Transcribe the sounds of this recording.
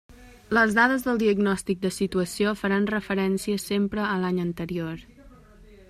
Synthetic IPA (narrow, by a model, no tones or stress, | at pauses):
ləzðaðəzðəlˠd̪iəɡnɔst̪ik̚d̪əsit̪uəsiofəɾanrəfəɾɛnsiəsempɾəːlaɲənt̪əɾioɾ